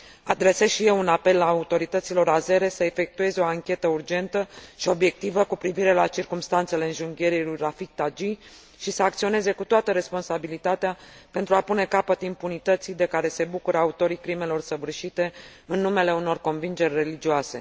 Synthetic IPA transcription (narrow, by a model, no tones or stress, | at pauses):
ad̪ɾe̞sezʃijelunape̞lːaːut̪o̞ɾit̪ət̪silo̞ɾaze̞ɾe̞səe̞fe̞k̚t̪ue̞zeo̞aŋkʲe̞t̪əurd͡ʒe̞nt̪əʃio̞bje̞k̚t̪ivəkupɾiviɾe̞lat͡ʃirkumst̪ant̪se̞le̞ɨnʒuŋɡʲe̞ɾilujrafik̚t̪ad͡ʒi | ʃisəakt̪sio̞ne̞ze̞kut̪oat̪əɾe̞spo̞nsabilit̪at̪eapent̪ɾuapune̞kapət̪impunit̪ət̪sid̪e̞kaɾe̞se̞bukuɾəaut̪o̞ɾikɾime̞lo̞rsəvɨrʃit̪e̞ɨnːume̞le̞uno̞rko̞nvind͡ʒe̞rʲre̞lid͡ʒiase̞